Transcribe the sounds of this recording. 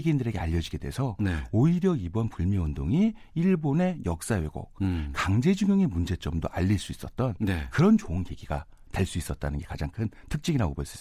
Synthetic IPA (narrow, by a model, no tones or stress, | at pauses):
ɡiindɯɾe̞ɡe̞aʎːʌd͡ʑiɡe̞de̞sʰʌneoiɾjʌibʌnpuɭmiwʌndoŋi | iɭbone̞jʌk̚s͈awe̞ɡo̰k̚kaŋd͡ʑe̞d͡ʑuŋjʌŋe̞mund͡ʑe̞t͡ɕ͈ʌmdoʔaʎːiɭs͈uis͈ʌt̚t͈ʌnnekɯɾʌnt͡ɕoɯnɡe̞ɡiɡa | teɭs͈uis͈ʌt̚t͈anɯnŋɡe̞kad͡ʑaŋkʰɯntʰɯk̚t͡ɕ͈ʰiɡinaobʌɭs͈uis͈